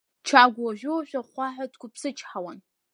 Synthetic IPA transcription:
t͡ʃʰaːɡʷɐʒʷᶣowɕʷaχʷɑħatʰʼkʷʰʼʊpsɨt͡ʃʰʼħawɐn

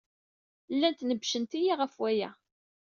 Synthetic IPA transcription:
lːænt̪nəbʃənt̪ijiʁəfwæjæ̰

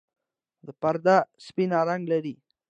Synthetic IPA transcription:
d̪əpaɾd̪aspinaɾaŋɡlaɾi

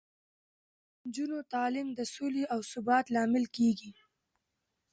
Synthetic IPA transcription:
nd͡ʒunot̪ɑːlɪmd̪əsoleawsʊbɑːt̪lɑmɪlkeɡi

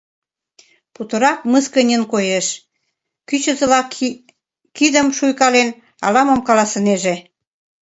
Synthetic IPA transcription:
put̪ə̆ɾɑk̚məskə̆nʲə̆nkojeʃ | kyt͡ɕə̆zə̆lɑk | kid̪ə̆mʃujkɑlen | ɑ̰lɑmə̆mkɑlɑsə̆neʒe

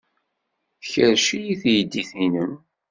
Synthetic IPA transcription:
θəçəɾʃijiθjəd̪ːiθinəm

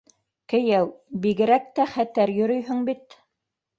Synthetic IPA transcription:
kɘ̆jæwbiɡɘ̆ɾæk̚t̪æχæt̪æɾjɵ̆ɾɵjɦɵŋbit̪

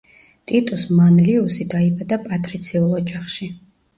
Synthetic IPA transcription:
t̪ʼit̪ʼusmanliusid̪aibad̪apʼat̪ʼɾit̪sʰiulˠɔd͡ʒaχʃi

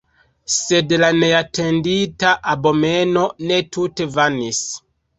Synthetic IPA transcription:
se̞dlaneatenditaʔabo̞meno̞ne̞tute̞vanis

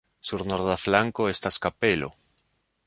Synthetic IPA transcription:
suɾnoɾðaflaŋkoest̪askapelo̰

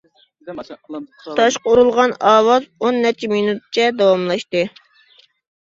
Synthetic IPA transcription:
t̪ʰɑʃqɑuɾulˠʁɑnɑːwɑzonːɛɾt͡ʃʰɛminut̪̚t͡ʃʰɛd̪ɑwɑmlˠɑʃt̪ɨ

